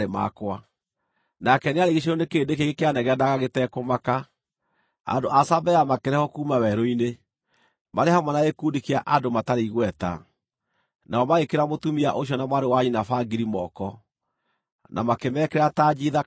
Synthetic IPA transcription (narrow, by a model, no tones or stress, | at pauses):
ema̰kwa | nakɛneaɾeɣeɕ̬eɾonekeːndekeɣekeanɛɣɛnaɣaɣetɛkomaka | a̰ndoʔasabɛjamakeɾɛhɔkuːmawɛɾɔine | maɾehamwanaekudikeaʔadomataɾeiɣwɛta̰ | naɔmaɣekeɾamotumia̰ʔoɕiɔnamwaɾewaɲinafaɡiɾimɔkɔ | nʔa̰makemɛkɛɾataːd͡ʑiða